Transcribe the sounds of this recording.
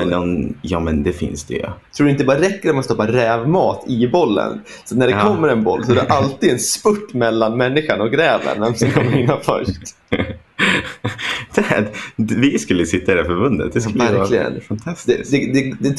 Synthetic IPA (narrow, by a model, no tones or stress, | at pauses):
ɛnːɔnjɑːmɛnd̪ɛfɪ̰nsd̪̥ɛ̰j̰t̪ʰɾuːɖɪnt̪əbɑːɾaɾɛkːəɾɛt̪manst̪ɔpːaɾɛːvmɑːt̪ɪbɔlːə̰n | sat̪næɖɛkʰɔmmːəɾɛnbɔlːsɔæɾɛʔalt̪id̪ɛnspɵʈːmɛlːanmɛnːɪɧaɳɔk̚ɡɾɛːvə̰nvɛmsɛnkʰɔmːəɾɪnːafœ̰ʂt̪ | d̪̥ɛvɪskɵlːəsɪt̪ːaɪd̪æɾfɔɾbɵnd̪ə̰t̪̚d̪ɛlvæɾlɪɡə̰nfant̪ʰasd̪ɛd̪ɛd̪ɛd̪ɛ